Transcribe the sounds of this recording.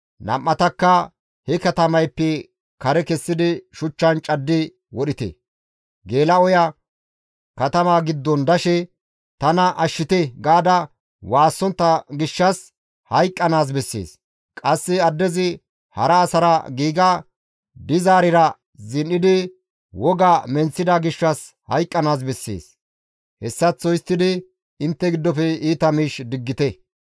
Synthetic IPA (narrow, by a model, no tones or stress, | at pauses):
nɐ̰mːɐt̪ɐkːɐ | hɛkɐt̪ɐmɐjpːɛ | kɐɾɛkɛsːɪd̪ɪʃʊt͡ʃːɐnt͡ʃʼɐd̪ːɪ | wɔɗɪt̪ɛ̰ | ɡe̞ːlɐɔjɐ | kɐt̪ɐmaːɡɪd̪ːɔnd̪ɐʃɛ | t̪ɐnɐʔɐʃːɪt̪ɛɡaːd̪ɐ | waːsːɔnt̪ːɐɡɪʃːɐs | hɐjkʼːɐnaːs̬bɛsːḛːs | kʼɐsːɪɐd̪ːɛzɪ | hɐɾɐːsɐɾɐɡiːɡɐ | d̪ɪzaːɾɪɾɐ | zɪnːɪd̪ɪ | wɔɡamɛnt͡sːɪd̪ɐɡɪʃːɐs | hɐ̰jkʼːɐnaːs̬bɛsːḛːs | hɛsːɐt͡sːɔjst̪ːɪd̪ɪ | ɪnt̪ːɛɡɪd̪ːɔfɛiːt̪ɐmiːʃd̪ɪɡːɪt̪ɛ